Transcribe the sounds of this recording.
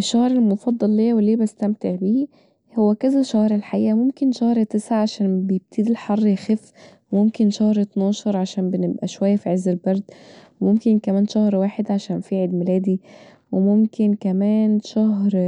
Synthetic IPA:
ʔeʃːæhɾˤelmofɑd̪ˤːɑlːeːwelːiːbæst̪æmt̪eʕbiː | howːækæzæʃæhɾˤelħaʔiːʔæmomkenʃæhɾˤt̪esʕaʕaʃæːnbejeb̚t̪ʰid̪ilħɑrˤːjxæf | wmomkenʃæhɾˤet̪nɑːʃɑɾˤʕaʃæːnbenebʔæʃwæjːæfiʕezːelbɑɾˤd̪wemomkenkæmæːnʃæhɾwaːħed̪ʕaʃæːnfiːʕed̪melæːd̪i | wemomkenkæmæːnʃæhɾ

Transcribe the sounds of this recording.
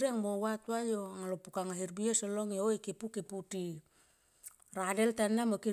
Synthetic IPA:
ɾieaŋmowatuajoaŋalopukaŋaɦiɾbiosoloŋjoikepukeputi | radeltanːamoki

